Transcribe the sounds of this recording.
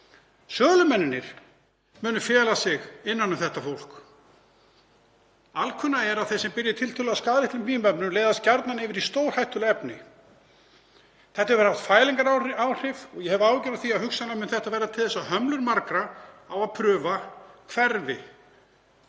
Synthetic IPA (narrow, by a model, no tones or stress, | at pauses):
sœːɣlʏmɛnːɪnɪɾ̥ | mʏːnʏfɛːlasɪɣɪnːanːʏmθɛht̪afowl̥k | alkʰʏnːaɛɾaðθesɛmpɪɾjɪt̪ʰɪlt̪ʰɪlʏaskaːðlɪht̪lʏmfiːmpɛpnʏmleːjðast̪̚caɾt̪nanɪːvɪɾist̪owɾ̥hajht̪ʏlɛpnɪ̰ | θɛht̪aɛvɾhaft̪faːjliŋkaɾawr̥ɪvɔɣjɛhɛvʏaːwcɛɾaðθiaðhʏksanlamʏːnθɛht̪avɛɾrːat̪ʰɪlðɛsːahœmlʏɾmaɾkɾaawaðpʰɾʏːvakʰvɛɾvɪ̰